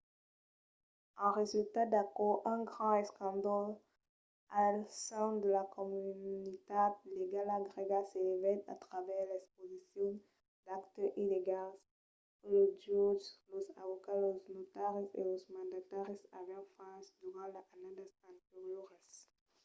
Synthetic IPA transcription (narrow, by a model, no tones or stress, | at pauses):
ɑ̃ʁezylt̪ad̪akɔʔɛ̃ɡʁɑ̃ɛskɑ̃d̪ɔl | asɛ̃d̪əlakɔmynit̪ad̪leɡalaɡʁeɡasevɛt̪a̰t̪ʁavɛʁlɛkspozisjɔ̃ | d̪akt̪əʔileɡal | lodɔzlozavokaloznot̪aʁəzḛlozmɑ̃d̪at̪aʁjəza̰vɛ̃fãsd̪yʁɑ̃laʔanãd̪asɛ̃t̪eʁjoʁɛs